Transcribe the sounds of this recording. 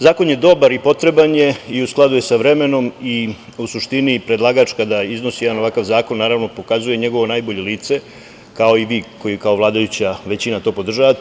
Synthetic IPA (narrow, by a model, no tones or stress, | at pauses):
zaːko̞nje̞d̪o̞baɾipo̞t̪ɾe̞banje̞iusklˠad̪uje̞saʋɾe̞me̞no̞mi | usuʃt̪inipɾe̞d̪laːɡat͡ʃkad̪aizno̞sijed̪ano̞ʋakaʋzaːko̞nːaːɾaʋno̞po̞kazuje̞ɲe̞ɡo̞ʋo̞naːjbo̞ʎe̞liːt̪se̞ | kao̞iʋiːko̞jikao̞ʋlˠaːd̪ajut͡ɕaʋe̞t͡ɕinat̪o̞po̞d̪r̩ʒaʋat̪